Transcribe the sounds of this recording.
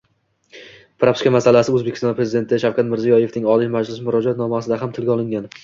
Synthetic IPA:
pɾapskʲamasalasɪɵzbekʲɪ̥st̪ɒnpʰɾe̞zɪd̪e̞nt̪ʰɪʃawkʰʲat̪mɪɾzijɒje̞fnɪŋɒlˠimad͡ʒlɪsmʊɾɒd͡ʒat̪nɒmasɪd̪aɦamt̪ʰɪlɡʲɒlˠɪŋɡʲan

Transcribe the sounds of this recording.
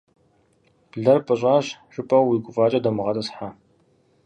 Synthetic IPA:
ɮɐrpʼɨɕ̬ʼaːɕɕɨpʼɐwwiːkʷʼʊfʼaːt͡ʃʼɐdɐmɨʁɐtʼɐsħa

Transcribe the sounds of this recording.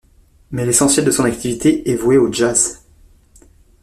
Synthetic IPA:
mɛlesɑ̃sjɛld̪əsɔ̃nak̚t̪ʰivit̪ʰeʔɛvweoʒaz

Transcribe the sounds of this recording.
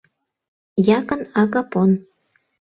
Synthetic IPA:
jɑkɤ̆nɑɣɑpon

